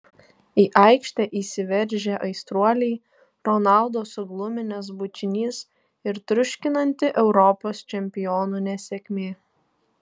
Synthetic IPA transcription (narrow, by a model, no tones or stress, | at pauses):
iːʔɑˑɪkʃʲt̪ʲɛʔiːsʲɪʋʲɛɾʲˑʒʲeːʔɐɪst̪ɾuɔlʲɛɪ | ɾɔnɑˑlˠd̪oːsʊɡlˠʊmʲɪnʲɛs̬bʊt͡ʃʲɪnʲiːs | ɪɾt̪ɾʊʃʲkʲɪnɐnʲt̪ʲɪʔɛʊɾɔpoːst͡ʃʲɛmʲpʲɪjoːnuːnʲɛsʲɛkʲmʲeː